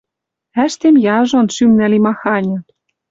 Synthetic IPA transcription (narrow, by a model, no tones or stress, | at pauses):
æʃt̪emjɑʒonʃymnælimɑxɑnʲɤ̆